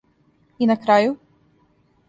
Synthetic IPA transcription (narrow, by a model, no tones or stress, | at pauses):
inakɾaːju